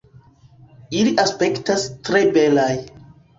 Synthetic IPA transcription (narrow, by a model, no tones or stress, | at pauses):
iliʔaspe̞ktastɾe̞be̞laj